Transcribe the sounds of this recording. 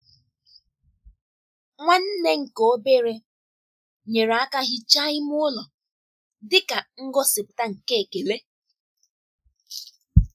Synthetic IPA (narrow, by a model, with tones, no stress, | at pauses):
ŋʷa˦n̩˦ne˦ŋ̩˨ko˨o˦be˦ɾe˦ | ɲe˨ɾa˦ka˦ɣɪ˦t͡ʃa˦ɪ˦mʊ˦ʊ˦lɔ˨ | dɪ˦ka˨ŋ̩˦ɡɔ˦sɪ˨pʊ˨ta˦ŋ̩˨ke˦e˨ke˨le˦